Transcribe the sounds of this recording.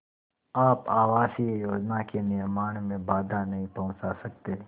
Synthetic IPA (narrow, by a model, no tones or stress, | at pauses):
aːpaːʋaːsiejoːd͡ʒnakenɪɾmaːɽ̃mẽbaːd̪ʱanɐɦĩpɐɦʊ̃t͡ʃasɐk̚t̪eː